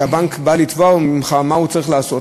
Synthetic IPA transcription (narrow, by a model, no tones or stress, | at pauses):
abaŋkbalit̪vamimχamaut͡saʁiχlaːso̞t